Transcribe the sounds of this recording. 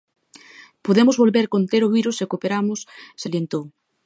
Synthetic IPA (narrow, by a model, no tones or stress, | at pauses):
poðemʊzβolβeɾkont̪eɾoβiɾʊsekopeɾamʊsselent̪o